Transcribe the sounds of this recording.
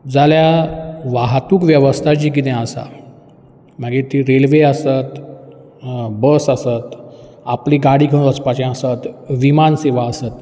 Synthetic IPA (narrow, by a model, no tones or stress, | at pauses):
d͡zaljaʋaɦt̪uːkʋjəʋəst̪ʰat͡ɕiːk̬it̪ɛ̃əsa̰ | maɡet̪iɾelʋeəsət̪ | bəsəsət̪ | apliːɡaɽiːkʰəɽ̃ʋət͡spat͡ɕɛ̃asət̪ʋimanseʋaəsət̪